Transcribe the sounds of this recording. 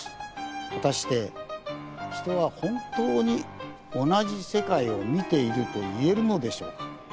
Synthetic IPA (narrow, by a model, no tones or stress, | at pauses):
βat̪aɕi̥t̪e̞ | çi̥t̪o̞β̞ahõ̞nt̪o̞ːɲ̟i | o̞naʑise̞kaio̞mʲit̪e̞iɾɯ̟t̪o̞ie̞ɾɯ̟no̞d̪e̞ɕo̞̰ːkḁ